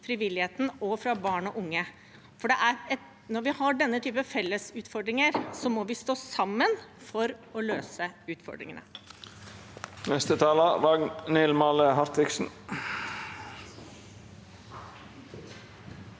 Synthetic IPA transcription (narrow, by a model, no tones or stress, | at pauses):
fɾɪʋɪlɪeːt̪n̩ɔfɾɑbɑːɳɔʔʊŋːə | fɔɖɛʔæɾɛt̪ | nɔɾʋɪhɑɖɛnːət̪ʰyːpəfɛlːəsʉːt̪fɔɖɾɪŋəɾsɔmɔʋɪst̪oːsɑmːənfɔɾɔløːsəʉːt̪fɔ̰ɖɾɪ̰ŋənə̰ | nɛst̪ət̪ʰɑːlɑʋɑɡnnɪlmɑːləɦɑɾt̪ʋɪksn̩